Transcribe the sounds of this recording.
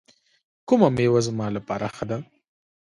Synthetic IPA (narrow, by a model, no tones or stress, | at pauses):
kʊmamewazmɑlapɑɾaxad̪a